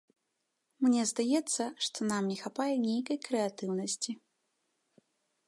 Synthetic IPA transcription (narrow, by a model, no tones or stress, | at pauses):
mnʲɛzd̪ajɛt̪sːɐʂt̪ɔnamnʲɛxapajɛnʲejkɐjkɾɛat̪ɨwnɐsʲt͡sʲi